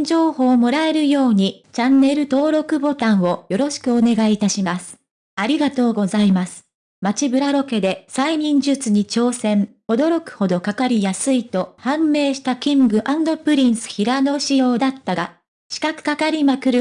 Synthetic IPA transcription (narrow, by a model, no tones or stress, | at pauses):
d͡ʑo̞ːho̞ːmo̞ɾae̞ɾɯ̟jo̞ːɲ̟it͡ɕãnːe̞ɾɯ̟t̪o̞ːɾo̞kɯ̟bo̞t̪ãɰ̃wo̞jo̞ɾo̞ɕi̥kɯ̟o̞ne̞ɡait̪aɕimasɨ̥ | aɾʲiɡat̪o̞ːɡo̞zaimasɨ̥ | mat͡ɕibɯ̟ɾaɾo̞ke̞d̪e̞saiɲʲĩɲd͡ʑɨt͡sɨɲ̟it͡ɕo̞ːsẽ̞ɴ | o̞d̪o̞ɾo̞kɯ̟̥ho̞d̪o̞kakaɾʲijasɨit̪o̞hãmːe̞ːɕi̥t̪akʲĩŋɡɯ̟ʔãnd̪o̞pɯ̟ɾʲĩɰ̃sɨ̥çiɾano̞ɕijo̞ːd̪at̪ːaɡa | ɕi̥kakɯ̟̥kakaɾʲimakɯ̟ɾɯ